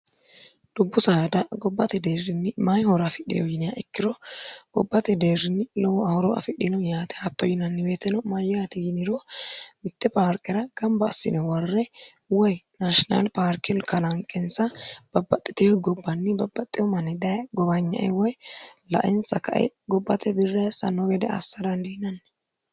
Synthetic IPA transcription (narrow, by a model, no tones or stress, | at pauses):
d̪̥ʊbːʊsaːd̪ɐɡɔbːɐt̪ɛd̪eːrɪnːɪmajhɔɾɐfɪɗɪ̰jɔjɪnɪjaʔɛkːɪɾɔɡ̥ɔbːɐt̪ɛd̪eːrːɪnːɪlɔwɔɐhɔɾɔʔɐ̰fɪᶑɪnɔjaːt̪ɛ̥at̪ːɔjɪnɐnːɪweːt̪ɛnɔmajːɔjat̪ɛjɪnɪɾomɪt̪ːɛpaːɾkɛɾɐɡ̥ɐmbɐːsːɪ̰nɛwɐrːɛ | wɔjnaʃɪnɐ̰lpaːɾkɪlkɐlɐŋkʼɛnsɐb̥ɐbːɐt̪ʼːɪ̥t̪ɛjɔɡɔbːɐnːɪbɐbːɐt̪ʼːɪjɔmɐnɛd̪ɐɡɔbɐɲːɐ̰ʔɛwɔjlɐ̰ʔɪnsɐkɐ̰ʔɛ̰ɡɔbːɐt̪ʰɛbɪrːɛsɐ̰nːɔɡɛd̪ɛɐ̰sːɐd̪ɐnd̪ɪhɪnɐnː